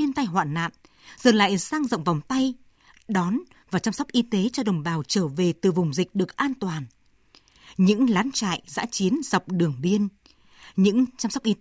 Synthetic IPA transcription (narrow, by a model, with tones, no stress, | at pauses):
i˧ənt̪a˧jɦwa̰ː˧˨nna̰ː˧˨n | z̥əː˨˩nla̰ː˧˨jsaː˧ŋzə̰˧˨wŋ͡mva˨˩wŋ͡mt̪a˧j | ɗɔ˨˦n | vaː˨˩t͡ɕa˧mswk͡p̚ʔi˧t̪e˨˦t͡ɕɔ˧ɗə˨˩wŋ͡mɓaː˨˩wt͡ɕəː˧˩ve˨˩t̪ɨ˨˩vʊ˨˩ŋ͡mzï˨˩k̟̚ɗɨ˨˩ək̚ʔaː˧nt̪waː˨˩n | ɲɨ̰˧˥ŋlaː˨˦nt͡ɕa̰ː˧˨jza̰ː˧˥t͡ɕi˨˦ənza˨˩wk͡p̚ɗɨ˨˩əŋɓi˧ən | ɲɨ̰˧˥ŋt͡ɕa˧msɔ˦˥k͡p̚ʔi˧